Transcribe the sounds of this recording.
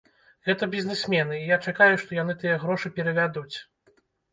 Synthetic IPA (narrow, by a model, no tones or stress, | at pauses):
ɣɛt̪ɐbʲizʲnɛsʲmʲɛnɨijat͡ʂakajuʂt̪ɔjan̪ɨt̪ɨjɛɣɾɔʂɨpʲɛɾɐvʲad̪ut͡sʲ